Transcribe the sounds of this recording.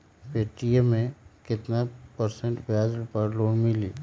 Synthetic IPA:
peːʈijəmẽkɪt̪napəɾsə̃ɳʈbad͡ʒpəɾloːnmɪliː

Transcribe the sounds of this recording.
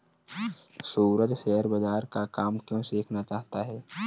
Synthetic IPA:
suːɾət̪ʃɛɦəɾbəd͡ʒaːɾkakaːmkjõːseːkʰnat͡ʃaːɦt̪aɦɛː

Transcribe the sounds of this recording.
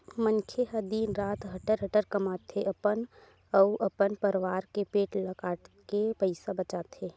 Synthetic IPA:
mə̃nkʰeɦɐd̪iːnɾaːt̪ɦɐʈəɾɦɐʈəɾkɐmaːt̪ʰeʔɐpən | ɐʊʔɐpənpəɾʋaːɾkepeːʈlɐɡaːkepəɪsabɐt͡ʃaːt̪eː

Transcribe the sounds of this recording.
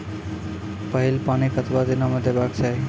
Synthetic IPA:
pʌɦilpanikət̪ʰbad̪inɔmed̪ʱebakt͡ʃʰaɦi

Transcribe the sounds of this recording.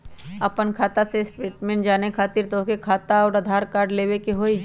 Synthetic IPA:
ɐpənkʰaːt̪asesʈɾeːʈmẽːɳʈd͡ʒaːnekʰaːt̪iɾt̪okekʰaːt̪aɔːɾəd̪ʱaːɾkaːɾɖleːwekeɦoːi

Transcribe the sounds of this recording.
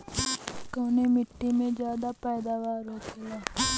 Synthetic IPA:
koːnemɪʈːimẽd͡ʒjaːd̪apɛːd̪aːʋaːɾɦoːt̪ʰeaː

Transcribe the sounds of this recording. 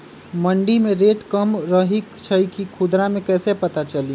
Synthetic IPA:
məɳɖimẽɾeːʈkəmɾəɦikt͡ʃʰəkikʰud̪ɾamẽkɛːsepət̪at͡ʃəli

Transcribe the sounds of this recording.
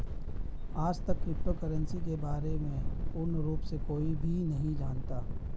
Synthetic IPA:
aːd͡ʒt̪ɐkːɾɪp̚ʈokəɾə̃nsikebaːɾemẽpuɾnəɾuːpsekoːibʱinɐɦĩd͡ʒaːnt̪aː

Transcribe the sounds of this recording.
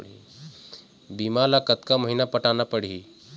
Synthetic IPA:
ɽi | biːmalakət̪kaməɦinapɐʈaːnapəɽ̤iː

